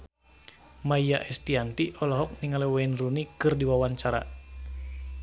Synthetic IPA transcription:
maijaʔɛst̪iant̪iʔɔlɔɦɔk̚niŋalɛwaɛnrunikɨrdiwawaɲt͡ʃaɾa̰

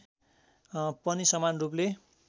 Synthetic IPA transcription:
pʌnisʌmanrup̬le

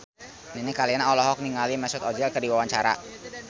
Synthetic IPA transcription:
ninikalinaɔlɔɦɔk̚niŋalimɛsʊt̪ɔd͡ʒɛlkərdiwawaɲt͡ʃaɾa̰

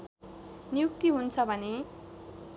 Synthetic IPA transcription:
njuk̚t̪iɦunt͡sʰʌbʱʌne

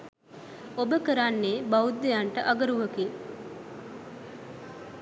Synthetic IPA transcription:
obəkəɾanːeːbaud̪ːejaɳʈəʔaɡəɾuʋəki

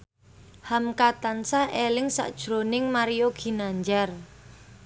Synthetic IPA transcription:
hamkat̪ansahʔelɪŋsa̰ʔd̥ʒ̥ɾonɪŋmaɾijoɡ̥i̤naɲd͡ʒar

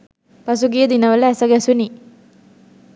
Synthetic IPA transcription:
pɐsuɡijəd̪inɐʋəlɐæsɐɡɛsuni

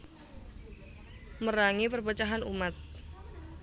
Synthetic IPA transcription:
məɾaŋipərbət͡ʃaɦanṵmat̪̚

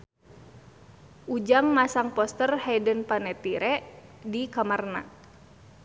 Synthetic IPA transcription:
ʔud͡ʒaŋmasaŋpɔst̪ərhɛjdənpanɛt̪iɾɛʔdikamarna

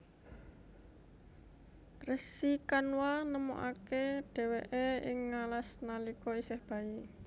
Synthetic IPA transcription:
rəsikanwalnəmo̰ʔa̰keɖ̥ɛ̤weʔeɪŋːalasnalikɔisɛhb̥a̤i

